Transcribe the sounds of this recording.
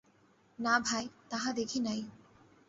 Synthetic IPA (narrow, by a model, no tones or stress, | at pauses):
nabʱajt̪aɦad̪ekʰinaj